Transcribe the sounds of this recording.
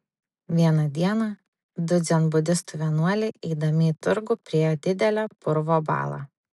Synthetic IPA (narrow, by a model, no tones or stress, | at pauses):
ʋʲiɛnɐd̪ʲiɛnɐ | d̪ʊd̪zʲɛnbʊd̪ʲɪst̪ʊʋʲiɛnuɔlʲɛɪʔɛɪd̪ɐmʲɪːt̪ʊɾɡʊpʲɾʲiɛjoːd̪ʲɪd̪ʲɛlʲæːpʊɾʋoːbɑ̰ːlˠɑ̰ː